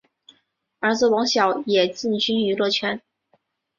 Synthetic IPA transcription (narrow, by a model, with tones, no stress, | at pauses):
ə˞˧˥t͡sɹ̩˥˩wɑ˧˥ŋɕjɑ˨˩˦ʊjɛ˨˩t͡ɕi˥˩nt͡ɕy˥ny˧˥lwɔ˥˩t͡ɕʰɥɛ˥n